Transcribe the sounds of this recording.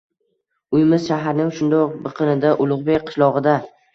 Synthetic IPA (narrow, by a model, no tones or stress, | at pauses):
ʊjmɪz̥ʃaɦaɾnɪŋʃʊnd̪ɒqbɨqʰɨnɪd̪aʔʊlˠʊʁbekqʰɨ̥ʃlˠɒʁɨd̪a